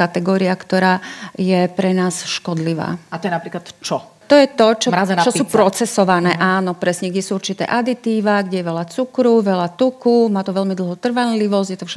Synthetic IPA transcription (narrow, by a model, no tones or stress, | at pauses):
kat̪ɛɡɔːɾiakt̪ɔɾaːjɛpɾɛnaːsʃkɔd̪liʋa̰ːat̪ɔjɛnapɾiklat̪t͡ʃɔ | t̪ɔjɛt̪ɔt͡ʃɔazt͡ʃɔsuːpɾɔt͡sɛsɔʋanɛːʔaːnɔpɾɛsɲɛɡɟɛsuuɾt͡ʃit̪ɛ̰ːʔad̪it̪iːʋaɡɟɛjɛʋɛʎat͡sukɾuʋɛʎat̪ukumaːt̪ɔʋɛʎmid̪l̩ˠɦɔt̪r̩ʋanliʋɔzɟjɛt̪ɔfʃɛ